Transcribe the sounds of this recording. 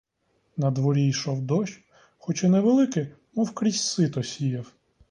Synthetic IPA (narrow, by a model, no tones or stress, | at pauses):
nɐd̪ʋɔɾʲijʃɔwd̪ɔʃ | xɔt͡ʃɛnɛʋelˠɪkɪ | mɔwkɾʲisʲsɪt̪ɔsʲijɐw